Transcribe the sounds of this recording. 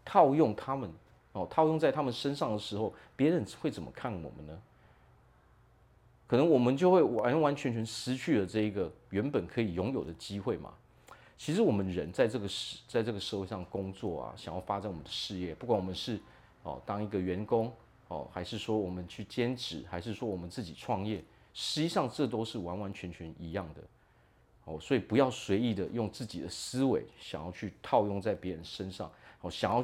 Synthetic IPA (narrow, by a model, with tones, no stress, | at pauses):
t̪ʰɑ˥˧ʊjʊ˥˩ŋt̪ʰa˥mə˨n | ɔ˨˩t̪ʰɑ˥˧ʊjʊ˥˧ŋt͡sa˥ɪt̪ʰa˥mə˨nʂə˥nʂɑ˥˩ŋd̪ə˩ʂɻ̩˧˥xo˥˩ʊpjɛ˧˥ɻə˧˦nwe˥˩ɪt͡sə˨˩mə˦kʰa˥˩nwɔ̰˨˩mə̰˦nnə˦ | kʰɤ˨˩nɤ˧˦ŋwɔ˨˩mə˦nt͡ɕjo˥˧ʊxwe˥˩ɪwa˧˦˥nwa˧˦nt͡ɕʰɥɛ˧nt͡ɕʰɥɛ˧˥nʂɹ̩˧˥t͡ɕʰy˥˩lə˩ʈ͡ʂɤ˥˩i˧˥ɡə˨ | ɥɛ˧˥npə˨˩nkʰɤ˧˥i˨˩jʊ˧˥ŋjo˨˩ʊd̪ə˦t͡ɕi˥xwe˥˩ɪma̰˩ | t͡ɕʰi˧˥ʂɻ̩˧˥wɔ˨˩mə˦nɻə˧˦nt͡sa˥˧ɪʈ͡ʂɤ˥˩ɡə˩ʂ̩˨˧˩t͡sa˥˧ɪʈ͡ʂɤ˥˩ɡə˩ʂə˥˧xwe˥˧ɪʂɑ˥˩ə˩kʊ˥ŋt͡swɔ˥˩ɐ̰˩ɕjɑ̰˨˩ŋjɑ˥˩ʊfa˥t͡sa˨˦nwɔ˨˩ə˦nd̪ə˧˦ʂɻ̩˥˧jɛ˥˩pu˥˩kwa˧˥nwɔ˨mə˦nʂɻ̩˥˩ | ɔ̰˨˩t̪ɑ˥ŋi˧˥ɡə˨ɥɛ˧˥nkʊ˥ŋ | ɔ̰˥˩xa˧˥ɪʂɻ̩˥˩ʂwɔ˥wɔ˨˩mə˦nt͡ɕʰy˥˩t͡ɕjɛ˥nʈ͡ʂʰɻ̩˨˩xa˧˥ɪʂɻ̩˥˩ʂwɔ˥wɔ˨˩mə˦nt͡sɹ̩˥˩t͡ɕi˨˩ʈ͡ʂʰwɑ˥˧ŋjɛ˥˩ | ʂɻ̩˧˥t͡ɕi˧˥ʂɑ˥˧ŋʈ͡ʂɤ˥˩t̪̬o˥ʊʂɻ̩˥˩wa˧˥nwa˧˥nt͡ɕʰɥɛ˧˥nt͡ɕʰɛ˧˥ni˧˥jɑ˥˩ŋd̪ə̰˩ | ɔ˥˩swɔ˧˥i˨˩pu˧˥jɑ˥˩ʊswe˧˥ɪi˨˩d̪ə˨jʊ˥˧ŋt͡sɹ̩˥˩t͡ɕi˨d̪ə˦sɹ̩˥wḛ˧˥ɪɕjɑ̰˨˩ŋjɑ˥˧ʊt͡ɕʰy˥˩t̪ʰɑ˥˧ʊjʊ˥˧ŋt͡sa˥˩ɪpjɛ˧˥ɻə˧˦nʂə˥nʂɑ̰˥˩ŋɔ˥˩ɕjɑ˨˩ŋjɑ˥˧ʊ